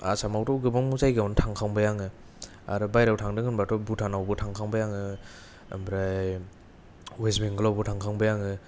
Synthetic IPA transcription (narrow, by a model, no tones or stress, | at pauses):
a̰samawtɔwɡɯbaŋuzajɡawntʰaŋkʰaŋbajaŋɯ | a̰ɾɯbajɾawtʰaŋdɯŋɯnbatɔbutʰanawbɯtʰaŋkʰaŋbajaŋɯ | mbɾaj | wezmiŋɡɯlawbɯtʰaŋkʰaŋbajaŋɯ